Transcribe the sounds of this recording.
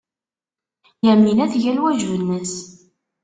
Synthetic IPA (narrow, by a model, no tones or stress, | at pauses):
jæmːinæθʝælwæʒvənːəs